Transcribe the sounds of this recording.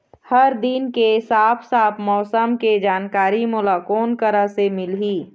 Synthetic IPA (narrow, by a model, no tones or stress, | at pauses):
hɐɾd̪inkesaːpʰsaːpʰmɔːsəmked͡ʒaːnkaːɾimʊlaːkoːnkəɾasemɪlɦiː